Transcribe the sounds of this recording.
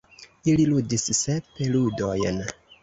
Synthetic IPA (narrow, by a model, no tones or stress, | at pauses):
ililudisːe̞peludo̞jn